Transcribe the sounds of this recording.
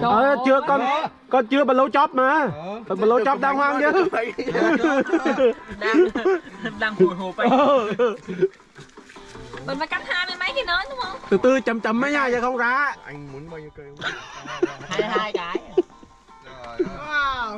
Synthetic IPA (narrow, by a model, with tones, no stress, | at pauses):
ʔəː˨˩˧t͡ɕɨ˧əkɔ˧n | kɔ˧nt͡ɕɨ˧əɓaː˨˩lo˨˧˦wt͡ɕɔ˨˦˥t̚maː˨˩˨ɓlo˨˧˦t͡ɕɔ˦˥p̚ɗaː˧ŋhwaː˧ŋt͡ɕɨ˨˦˧ | a˧˨˩əː˧ | ɓə˨˩nfa˨˦ka˦˥t̚haː˧jmə˨˦ma˨˦jki˨˩nɔ˨˦ɗʊ˨˦ŋ͡mhə˧wŋ͡mt̪ʰɨː˨˩t̪ɨ˧t͡ɕə˨˩mt͡ɕə˨˩mːa˨˦ɲaː˧˩zaː˨˩xə˧wŋ͡mzaː˨˦˧